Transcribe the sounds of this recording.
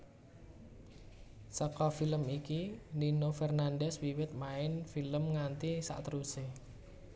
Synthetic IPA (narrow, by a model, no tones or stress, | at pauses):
səkɔfiləmikilinofɛrnandɛswiwɪt̪̚maɪnfiləmŋant̪isa̰ʔt̪əɾuse